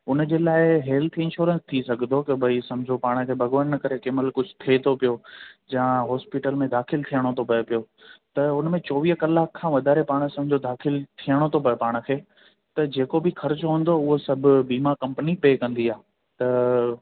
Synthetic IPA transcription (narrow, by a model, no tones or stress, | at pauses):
ʊnd͡ʑeːlaːɪɦeːlt̪ʰɪ̃nʃoːɾə̃nst̪ʰisɐɡʱnd̪okɐbʱɐisɐ̃md͡ʑʱopaːɽ̃kʰeːbʱɐɡʋənːɐkɐɾekɪməlkʊd͡ʑʱʊt̪ʰiet̪ʰopijod͡ʑãɦɔːspɪʈəlmẽd̪aːxɪlt̪ʰijəɽ̃ot̪ʰopɐjpijo | t̪ɐʊnmẽt͡ɕɔːʋiːɦkɐlaːkʰːãːʋɐd̪ʱaːɾepaːɽ̃sɐ̃md͡ʑʱod̪aːxɪlt̪ʰijəɽ̃ot̪ʰopɐpaːɽ̃kʰeː | t̪ɐd͡ʑeːkobɪxɐɾt͡ɕɦũn̆d̪oʊɦosɐbʱʊbiːmakɐ̃mpənipeːkɐ̃nd̪iaː | t̪ɐ